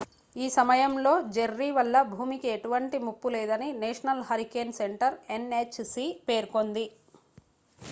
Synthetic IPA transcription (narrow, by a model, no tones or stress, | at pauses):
iːsɐmɐjɐmlo̞ːd͡ʒeɾːiːʋɐlːɐbʱuːmikieʈuʋɐɳʈimupːuleːd̪ɐnineːʂɐnɐlɦɐɾikeːnse̞ɳʈɐɾe̞net͡ʃsipe̞ːɾko̞nd̪i